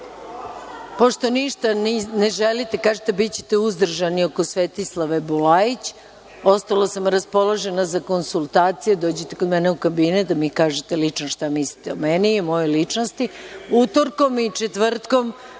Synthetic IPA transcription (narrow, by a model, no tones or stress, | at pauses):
po̞ʃt̪o̞niʃt̪anneʒelit̪e̞kaːʒet̪ebitt͡ɕe̥t̪euzd̪r̩ʒanio̞kosʋet̪islˠaʋebulait͡ɕ | o̞st̪alasamɾaspo̞laʒe̞nazako̞nsulˠt̪aːt̪sijed̪o̞ːd͡ʑet̪e̞kod̪mɛneukabinet̪̚d̪amikaːʒet̪elit͡ʂnoʃt̪amisli̥t̪eomenimo̞jojlit͡ʂno̞st̪iut̪oɾko̞mit͡ʃet̪ʋr̩t̪ko̞m